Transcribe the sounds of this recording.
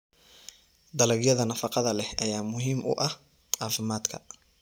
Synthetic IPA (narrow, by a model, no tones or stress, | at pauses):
d̪ɐlɐɡjɐðɐnɐfɑqɑðɐlɛhʔɐjaːmʊɦiːmʔʊ̰ʔɐh | aːfɪmaːd̪kʰɐ